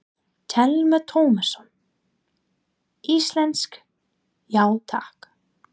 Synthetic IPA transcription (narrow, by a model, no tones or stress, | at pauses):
t̪ʰɛlmat̪ʰoːwmasɔn | ist̪lɛnsk | jaːwt̪ʰahk